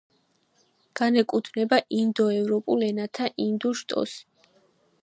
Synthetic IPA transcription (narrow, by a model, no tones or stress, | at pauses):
ɡ̥anɛkʼut̪ʰnɛbaʔind̪ɔɛvɾɔpʼulɛnat̪ʰaʔind̪uʃt̪ʼɔ̰s